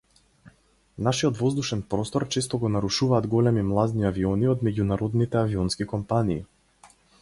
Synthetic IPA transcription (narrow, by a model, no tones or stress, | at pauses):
naʃiɔt̪vɔzd̪uʃɛnpɾɔst̪ɔɾt͡ʃɛst̪ɔɡɔnaɾuʃuvaːd̪ɡɔlɛmimlˠad̪niaviɔniɔd̪mɛɟunaɾɔd̪nit̪ɛaviɔnskikɔmpanḭː